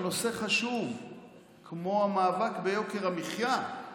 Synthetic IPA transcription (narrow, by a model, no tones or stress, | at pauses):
no̞se̞χaʃuv | kʰmo̞amaːvakbe̞jo̞ke̞ʁamiχja